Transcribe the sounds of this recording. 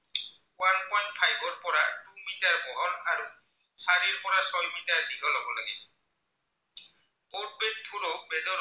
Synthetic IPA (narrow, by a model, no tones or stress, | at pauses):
wanpɔjnt̚pʰajbɔɹpɔɹatumitaɹbɔɦɔlaɹu | saɾiɹpɔɹasɔjmitaɹdiɡɔlɔbɔlaɡɛ | pɔt̚ben̚tʰulɔbɛdɔ